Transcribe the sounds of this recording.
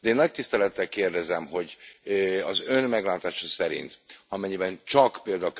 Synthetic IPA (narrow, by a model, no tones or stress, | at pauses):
d̪ɛeːnːɒc̚t̪ist̪ɛlɛt̪ːɛlkeːrd̪ɛzɛmɦo̞ɟ | ɒzønmɛɡlaːt̪aːʃɒsɛɾḭnt̪ɒmɛɲːibɛnt͡ʃɒkpeːld̪ak